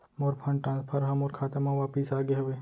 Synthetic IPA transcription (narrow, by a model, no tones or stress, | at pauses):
moːɾpʰə̃ɳɖʈɾãːnspʰəɾɦɐ̃moːɾkʰaːt̪əmãʋaːpisaːɡeɦoʋeː